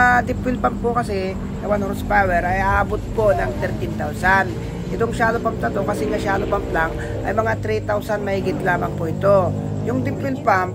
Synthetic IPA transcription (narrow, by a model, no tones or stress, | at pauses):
d̪ɪpːɪlpɐmpokɐsɛ | sɐwanhoɾspawɛɾɐjaʔaːbot̪̚ponɐŋt̪ɛɾt̪ɪnt̪awsan | ʔɪt̪oŋʃaːlopɐmplɐt̪okɐsɛŋɐʃaːlopɐmplaŋ | ʔɐ̰jmɐŋat̪ɾit̪awsɐnmɐhiːɡɪt̪laːmɐŋpoʔɪt̪o̞ | jʊŋd̪ɪpwɪlpam